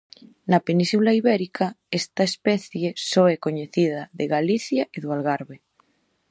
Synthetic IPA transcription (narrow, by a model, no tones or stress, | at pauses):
napenisulaiβɛɾikʰaɛst̪aespɛθjesoɛkoɲeθiðaðeɣaliθjaʔeðoalɣaɾβe